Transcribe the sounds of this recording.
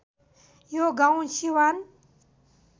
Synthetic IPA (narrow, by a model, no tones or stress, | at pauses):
joɡaw̃ʃiwan